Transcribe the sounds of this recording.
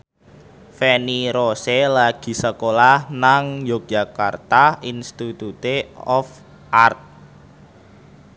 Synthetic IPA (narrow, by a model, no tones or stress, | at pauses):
fɛniɾoselaɡ̥i̤səkolahnaŋjok̚ʒ̥a̤ka̰rt̪ainst̪it̪ut̪eɔf | ʔart̪̚